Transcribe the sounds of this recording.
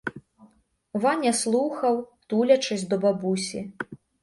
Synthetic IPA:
vanʲɛslˠuxɐwt̪ulʲɐt͡ʂɨzʲd̪ɔbabusʲi

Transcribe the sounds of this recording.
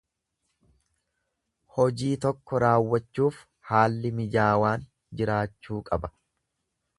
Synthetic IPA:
hɔd͡ʒiːt̪ɔkːɔɾaːwːɐt͡ʃːuːf | haːlːɪmɪd͡ʒaːwaːn | d͡ʒɪɾaːt͡ʃːuːkʼɐbɐ̥

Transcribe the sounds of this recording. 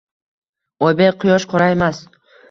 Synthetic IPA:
ɒjbeqʰʊjɒʃqʰɒɾaemas

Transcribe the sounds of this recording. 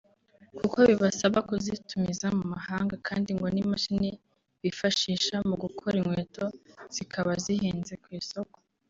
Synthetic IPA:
kukoβiβasaβakuzitumizamumahaːŋɡakʰaːndiŋɡo̞nimaʃini | βifaʃiːʃamuɡukʰoɾiŋwe̞ːto̞z̥ikʰaβazihiːnze̞kwiːso̞ko

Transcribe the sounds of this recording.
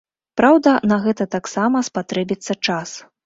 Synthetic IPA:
pɾawd̪ɐnɐɣɛt̪ɐt̪aksamɐspat̪ɾɛbʲit̪sːɐt͡ʂas

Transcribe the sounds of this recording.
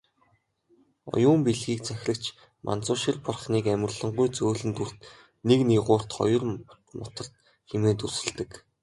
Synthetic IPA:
ɔ̰jʊːmpiɮɣiːk̚t͡sʰæx̆ʲɮə̆kt͡ɕʰ | mʔa̰nt͡sʊːʃĭrpɔrχniːkæmʲɪ̆rɮɞ̆ɴɢujt͡soːɮɘ̆nt̪ur̥t̪ | nekniʁʊːr̥t̪χɔ̰jɞ̆r | mʊ̰t̪ə̆r̥t̪ | xemeːt̪ursɘ̆ɮt̪ɘ̆k

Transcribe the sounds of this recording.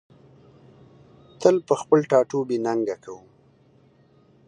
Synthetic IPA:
t̪əlpəxpəlʈɑʈobenaŋɡakʰawum

